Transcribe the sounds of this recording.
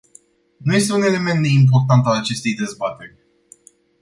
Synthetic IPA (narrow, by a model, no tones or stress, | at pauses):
nuje̞st̪e̞une̞le̞me̞nt̪d̪e̞imp̬o̞rt̪ant̪alat͡ʃe̞st̪e̞jd̪e̞zbat̪e̞rʲ